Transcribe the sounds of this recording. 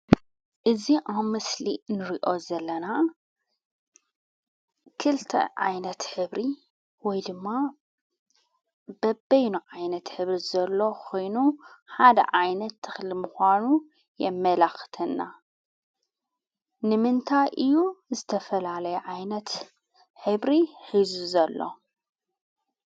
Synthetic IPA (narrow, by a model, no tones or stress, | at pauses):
ʔɨziʔawmɨslinɨɾiʔo̞zɐlːɐna | kʰɨlt̪ʰɐ̰ʕa̰jnɐt̪ħɨβɾi | wɔjd̪ɨmːa | bɐbɐjnuʕajnɐt̪ħɨβɾizɐlːo̞kʰo̞jnuħad̪ɐ̰ʕajnɐt̪ʰːɨxlimuxʷanu | jɛmːɐlaxt̪ʰɐnːa | nɨmɨnt̪ʰajʔɨjːuzɨt̪ʰɐfɐlalɐjɛʕajnɐt̪ | ħɨβɾiħizuzɐlːo̞̰